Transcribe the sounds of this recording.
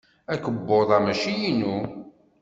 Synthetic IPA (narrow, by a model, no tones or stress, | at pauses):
ækəbːoðˤɑmæʃijinu